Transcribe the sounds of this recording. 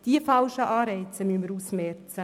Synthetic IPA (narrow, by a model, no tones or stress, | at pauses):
d̥iəfɑlʃəʔɑːɾɛɪt͡səmyəmːəɾusmɛrt͡sə